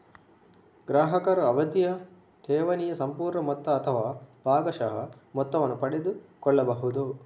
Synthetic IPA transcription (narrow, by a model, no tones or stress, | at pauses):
ɡɾaːɦɐkɐɾɐɐbɐd̪jɐ | ʈ̪ʰɛːʋɐnijɐsɐmpuːɾɳɐmɔt̪ːɐːt̪ʰɐʋaːbʱaːɡɐʃɐɦɐmɔt̪ːɐʋɐnːupɐɽed̪ukɔɭːɐbɐɦud̪u